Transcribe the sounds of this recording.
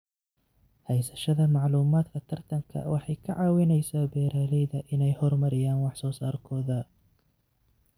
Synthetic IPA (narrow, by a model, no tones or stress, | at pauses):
hɛjsɐʃɐðɐmɑʕluːmaːd̪kʰɐt̪ʰɐrt̪ʰɐŋkʰɐ̰wɑħɑjkʰɐʕɑːwɪnɛjsaːbɛːɾaːlɛjðɐʔɪnɛjhɔrmɐɾɪjaːnwɑħsɔːsaːrkʰɔːðɐ